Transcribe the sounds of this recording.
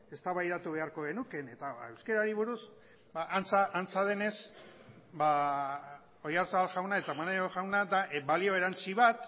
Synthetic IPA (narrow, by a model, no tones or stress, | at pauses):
e̞st̪aβajðat̪uβe̞aɾko̞ɣe̞nuke̞ne̞t̪aewske̞ɾaɾiβuɾus | baʔant͡saʔːnt͡sað̞e̞ne̞s | ba | o̞jaɾsaβalʝawnae̞t̪amaneɾoʝawnad̪aʔbalio̞e̞ɾant͡siβat̪